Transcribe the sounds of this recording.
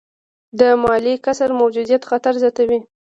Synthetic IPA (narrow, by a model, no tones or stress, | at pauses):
d̪əmɑlikasaɾmawd͡ʒud̪ijat̪xat̪aɾzjɑt̪awi